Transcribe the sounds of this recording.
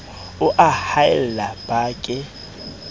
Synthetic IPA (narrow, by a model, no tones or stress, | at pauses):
ʊʔahaɪl̩lab̥aːkʼɪ